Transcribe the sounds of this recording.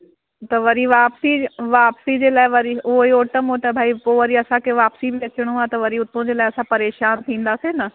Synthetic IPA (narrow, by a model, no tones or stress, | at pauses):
t̪əʋəɾiːʋaːpsiːʋaːpsiːd͡ʒeːlaːʋəɾiːoːiːoːʈəmɦoːt̪aːbʱaːiːpoːʋəɾiːəsãːkeʋaːpsiːbiːət͡ʃːəɳ̃õãːt̪ɐ̃ʋəɾiːʊt̪ːõːd͡ʒeːlaːəsãːpəɾeːʃaːnt̪ʰĩːnd̪aːseːnaː